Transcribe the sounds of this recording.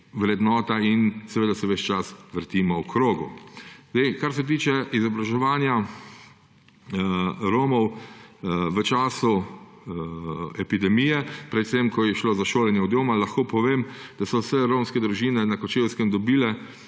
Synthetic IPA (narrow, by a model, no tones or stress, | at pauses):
ʋɾɛd̪nɔːt̪ainsɛʋeːd̪asɛʋɛt͡ʃt͡ʃasʋəɾt̪iːmɔwkɾoːɡṵzd̪ɛjkaɾsɛt̪̬iːt͡ʃɛizɔbɾaʒɛʋaːnja | ɾoːmɔw | ʋət͡ʃaːsu | ɛpid̪ɛmijɛpɾɛt̪semkɔjɛʃloːzaʃoːlɛnjɛwd̪joːmalɐxkoːpɔʋeːmd̪̥asɔwsɛɾoːmskɛd̪ɾuʒiːnɛnakɔt͡ʃewskɛmd̪ɔbiːlɛ